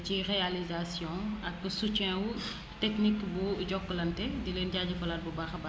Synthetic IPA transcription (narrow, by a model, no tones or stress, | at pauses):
cirealizasjɔ̃ɐk̚busut͡ʃɛ̃wu | tɛknikbuɟɔkːəlɐntɛdileːnɟaːɟɐfɐlaːt̚bubaxɐba